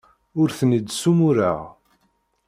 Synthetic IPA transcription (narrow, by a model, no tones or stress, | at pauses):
ʊɾθənəd̪sumʊɾa̰ʁ